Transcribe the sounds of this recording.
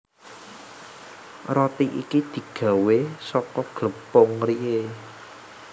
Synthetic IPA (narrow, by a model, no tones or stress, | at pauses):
rɔt̪iʔḭkid̪̥i̤ɡ̥a̤wesɔkɔɡ̥ləpʊŋrie